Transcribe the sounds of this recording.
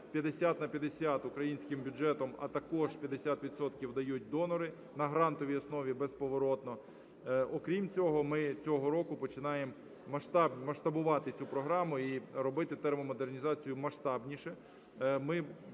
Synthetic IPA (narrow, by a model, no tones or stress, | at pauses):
pʲjɐd̪esʲat̪nɐpʲjɐd̪esʲat̪ʊkɾɐjinʲsʲkɪmbʲʊd͡ʒɛt̪ɔmɐ̰t̪ɐkɔʒpʲjɐd̪esʲat̪ʋʲid̪sɔt̪kʲiwd̪ɐjut̚ʲd̪ɔnɔɾɪ | nɐɦɾɑnt̪ɔʋʲijɔsnɔʋʲibɛspɔʋɔɾɔt̪nɔ | ɔkɾʲimt͡sʲɔɦɔmɪt͡sʲɔɦɔɾɔkʊpɔt͡ʃɪnɑjemː | ɐʃt̪ɑbmɐʃt̪ɐbʊʋɑt̪ɪt͡sʲupɾɔɦɾɑmʊiɾɔbɪt̪ɪt̪ɛɾmɔmɔd̪ernʲizɑt͡sʲijʊmɐʃt̪ɑbnʲiʃɛ | mɪ